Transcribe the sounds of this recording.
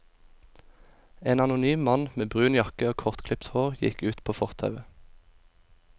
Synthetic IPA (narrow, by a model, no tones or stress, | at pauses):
eːnɑnʊnyːmmɑnmeːbʁʉːnjɑkəoːkʰɔʁt̪kʰlɪpt̪hoːʁjɪ̰kʉːt̪pʰoːfɔʁt̪ʰɑ̰ʉə